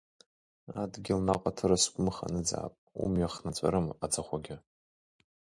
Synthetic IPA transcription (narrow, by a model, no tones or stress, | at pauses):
adɡʲɪlnaqʼatʰɨɾaskʷʼʊmɨχa̰nɨd͡za̰ːpʼṵmjaχnat͡sʷʼa̰ɾɨmad͡zaχʷaɡʲɪ